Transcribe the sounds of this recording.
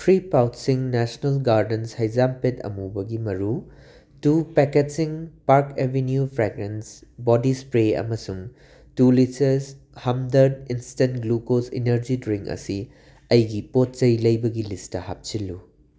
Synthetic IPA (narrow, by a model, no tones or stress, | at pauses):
pʰɾipawtsiŋnɛsnɐlɡaɾdenshɐjzampetɐ̰mubɐɡimɐɾu | tupɛketsiŋpaɾkebʱenjupʰɾeɡmensbɔdispɾeɐ̰mɐsuŋ | tulit͡ʃɐs | hɐmdɐɾdinstentɡlukosḭnɐɾd͡ʒidɾiŋkɐ̰si | ɐjɡipot̚t͡ʃɐjlɐjbɐɡilistɐha̰p̚t͡ʃilːu